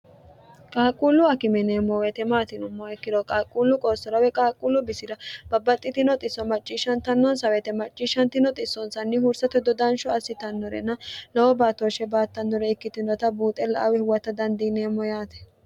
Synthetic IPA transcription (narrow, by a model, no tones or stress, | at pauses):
kʼaːkʼuːlːʊɐkɪmɛneːmːɔwɛt̪ɛmaːt̪ɪnʊmːɔɛkːɪd̪ɔkʼaːkʼːulːʊkʼoːsɔɾɐwɛkʼaːkʼːulːʊbɪsɪɾɐb̥ɐbːɐt̪ʼːɪt̪ɪnɔt̪ʼɪsːɔmɐt͡ʃʼːiːʃɐnt̪ɐnːɔnsɐwɛt̪ɛmɐt͡ʃʼːiʃɐnt̪ɪnɔt̪ʼɪsːɔnsɐnːɪhʊɾsɐt̪ɛd̪ɔd̪ɐnʃɔɐsːɪt̪ɐnːɔɾɛ̰nɐlɔwɔbaːt̪oʃɛbaːt̪ːɐnd̪ɔɾɛɪkːɪt̪ɪnɔt̪ɐbuːt̪ʼɛlɐʔɐwɛhʊwɐt̪ːɐd̪ɐnd̪iːne̞ːmːɔjaːt̪ɛ̥